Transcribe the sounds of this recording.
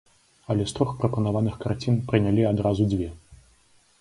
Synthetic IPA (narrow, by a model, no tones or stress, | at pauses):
ɐlʲɛst̪ɾɔxpɾɐpɐnavanɨxkart͡sʲinpɾɨnʲalʲiad̪ɾazud͡zʲvʲɛ